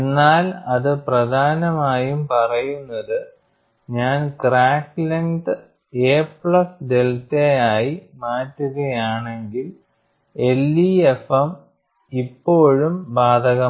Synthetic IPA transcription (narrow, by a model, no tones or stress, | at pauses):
enːaːlɐðɨprɐd̪ʱaːnɐmaːjumpɐrɐjunːɐðɨ | ɲaːnkraːkːleŋɖɨ | eːpɭɐsde̞ltejaːjimaːtːuɣɐjaːɳe̞ŋɡil | e̞lːiefɐm | ipːo̞ːɻumbaːd̪ʱɐɣɐ